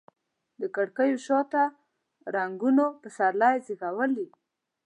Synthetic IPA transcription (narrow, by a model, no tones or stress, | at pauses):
d̪əkaɽkəjoʃɑt̪a | ɾaŋɡunopəsaɾlajziɣawəli